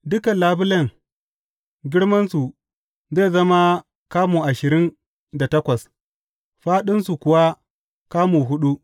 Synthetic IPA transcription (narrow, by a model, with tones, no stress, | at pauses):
dʊ˦kɐ˨nlaː˦bɪ˦lɐ˦˨ŋ | ɡʲɪ˦ɽmɐ˦nsu˨ | ze˦˨zɐ˦ma˦ | kaː˦muː˨ʔa˨ʃɪ˨ɾɪ˦n | da˨tɐ˦kʷɐ˨s | ɸaː˦ɗɪ˦nsu˨kʷʊ˨wa˦ | kaː˦mu˨ɦʊ˦ɗu˦ʔ